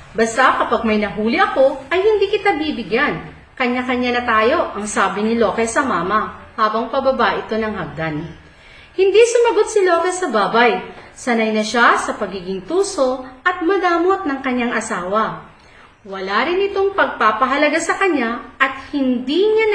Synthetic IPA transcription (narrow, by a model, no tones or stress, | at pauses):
bɐst̪akɐpaɡ̚mɐjnɐɦuːlɪʔɐko̞ʔɐjhɪnd̪iːkɪt̪abiːbɪɡjan | kɐɲːakɐɲːanɐt̪aːjo̞ʔɐŋsaːbɪnɪlo̞kɛsɐmaːmɐhaːbɐŋpɐbɐbaʔɪt̪o̞nɐŋhɦɐɡ̚d̪an | hɪnd̪isʊmɐɡo̞t̪̚sɪlo̞ːkɛsɐbaːbɐjsɐnajnɐʃasɐpɐɡiːɡɪŋt̪uːso̞ʔɐt̪̚mɐd̪aːmot̪̚nɐŋkɐɲːaŋʔɐsaːwɐ | wɐlaɾɪnʔɪt̪o̞ŋpɐɡ̚paːpɐɦɐlɐɡasɐkɐɲːaʔɐt̪̚hɪnd̪iɲan